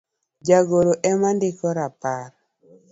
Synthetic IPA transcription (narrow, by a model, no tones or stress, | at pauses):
d͡ʒaɡoɾoʔɛmandɪkɔɾapaɾ